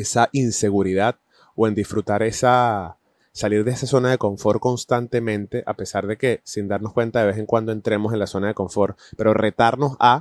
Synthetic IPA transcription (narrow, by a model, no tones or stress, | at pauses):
esaʔinse̞ɣuɾiðað | oe̞nd̪isfɾut̪aɾe̞sa | saliɾðeesaso̞naðe̞ko̞ɱfo̞ɾko̞nst̪ant̪e̞mẽ̞nt̪e̞ʔape̞saɾðe̞ke̞sind̪aɾno̞skwe̞nt̪aðe̞βe̞seŋkwand̪oe̞nt̪ɾe̞mo̞se̞nlaso̞naðe̞ko̞ɱfo̞ɾpe̞ɾo̞re̞t̪aɾno̞sa